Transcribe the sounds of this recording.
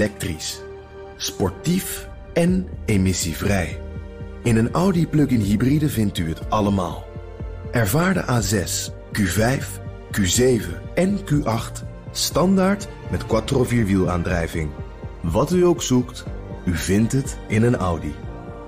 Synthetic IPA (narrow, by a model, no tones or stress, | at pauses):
lɛk̚tris | spɔɹtif | ɛnemɪsivrɛj | ɪnənʌwdiplɵkɪnɦibridəvɪntyɦətɑləma̰ːlˠ | ʔɛɹvaːɹdə̰ʔaːzɛs | kyvɛjf | kyzejvə̰nɛnkyʔɑχt | stɑndaːɹt | mɛtkwatroviːɹʋilˠa̰ːndrɛjvɪŋ | ʋɑtyowksuktyvɪntɦətɪnənʌ̰wdi